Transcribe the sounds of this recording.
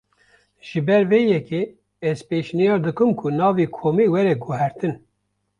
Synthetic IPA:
ʒ̥ɨbɛɾveːjɛkeː | ɛzpeːʃnijɑːɾd̪ɨkɨmkʰunɑːviːkʰoːmiːwɛɾɛɡuɦɛɾt̪ɨn

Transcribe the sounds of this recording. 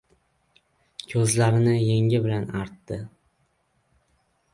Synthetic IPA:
kʲʰɵzlaɾɪnɪjeŋʲɪbɪlanaɾt̪ːɪ

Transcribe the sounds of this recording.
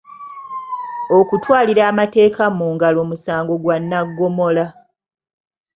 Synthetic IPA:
o̞kutwaːliɾaːmate̞ːkamuːŋɡalo̞ːmusaːŋɡo̞ɡwanːaɡːo̞mo̞la

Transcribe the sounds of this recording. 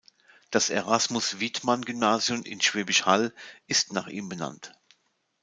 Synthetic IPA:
d̥aseʁasmʊsv̥itmanɡʏmnaːzjʊmɪ̰nʃv̥ɛːbɪʃhalʔɪstna̰ːχʔiːmbəna̰nt

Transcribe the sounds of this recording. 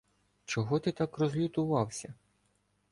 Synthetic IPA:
t͡ʃɔɦɔt̪ɪt̪ɑkrɔzʲlʲʊt̪ʊʋɑwsʲɐ

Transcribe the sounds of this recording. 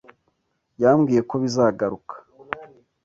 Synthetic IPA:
jaːmɡiːje̞ko̞βizaːɡaɾukʰḁ

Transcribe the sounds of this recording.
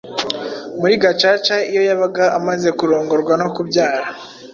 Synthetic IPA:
muɾiɡat͡ʃaːt͡ʃaijo̞jaβaɡaʔamaze̞kuɾoːŋɡo̞ɾɡwano̞kubɟaːɾa

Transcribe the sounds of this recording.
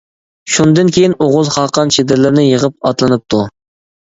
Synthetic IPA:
ʃund̪ɨnkʲejinoʁʊzχɑqʰɑnt͡ʃʰed̪ɪɾlɪɾnɪjəʁəp̚ɑt̪lˠɨnɨp̚t̪ʰu

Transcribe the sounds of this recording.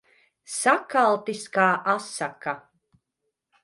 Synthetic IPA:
sakalˠt̪iskaːʔasaka

